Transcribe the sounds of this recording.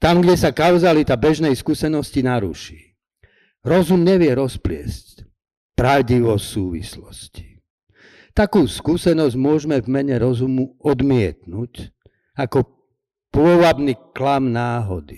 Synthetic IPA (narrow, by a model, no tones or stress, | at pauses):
t̪amɡɟɛsakaʊzalit̪abɛʒnɛjskusɛnɔscinaɾṵʃiː | ɾɔzumɲɛʋɪɛɾɔsplɪɛ̰sc | pɾaʊɟiʋɔsuːʋḭslɔsci̥ | t̪akuːskusɛnɔzɟmʊɔʒmɛvmɛɲɛɾɔzumuɔd̪mɪɛt̪nuc | akɔ | pʊɔʋabniklamnaːɦɔd̪i